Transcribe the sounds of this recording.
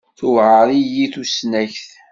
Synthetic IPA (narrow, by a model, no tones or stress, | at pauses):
θʊvʕəɾˤijiθusnæçθ